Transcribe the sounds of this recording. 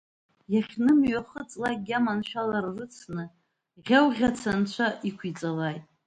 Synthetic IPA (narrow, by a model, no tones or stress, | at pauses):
jaχʲnɨmɥaχət͡sʼlaj̚ɡʲamanʃᶣalarrɨt͡sʰnɨ | ʁʲawʁʲat͡sʰant͡ʃʷʰaʔikʷʰit͡sʼalajtʼ